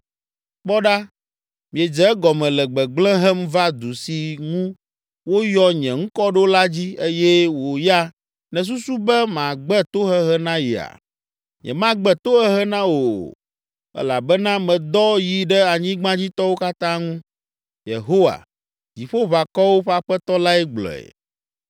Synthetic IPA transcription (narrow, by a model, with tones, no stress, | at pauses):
k͡pɔ˦ɖa˦ | mĩ˨ɛ˨d͡ʒɛ˨˦ɡɔ˨mɛ̃˨lɛ˨ɡ͡bɛ˨ɡ͡blɛ̃˦ɦɛ˦mva˦d̪u˨si˨ŋũ˦ | wo˦jɔ˦ɲɛ̰̃˨ŋũ˦kɔ˦ɖo˦la˦d͡ʑi˦e˦jɛ˦wo˨ja˦ | nɛ̃˨s̬u˦su˦bɛ˦mã˨ɡ͡bɛ˦t̪o˦ɦɛ˦ɦɛ˦nã˦jḭ˨a̰˨ | ɲɛ̰̃˨mã˦ɡ͡bɛ˦t̪o˦ɛ˦ɦɛ˦nã˦wo˨ | ɛ̰˦la˨bɛ˦nã˦mɛ̃˨d̪ɔ˦ji˨ɖɛ˦a˨ɲĩ˦ɡ͡bã˦d͡ʑi˦t̪ɔ˦wo˦ka˦t̪ã˦ŋũ˦ | jḛ˨ɦo˦wa̰˨ | d͡ʑi˨ɸo˦βa˨kɔ˦wo˦ɸa˦ɸɛ˦t̪ɔ˦la˦ɛ˦ɡ͡blɔ̰˨ɛ̰˨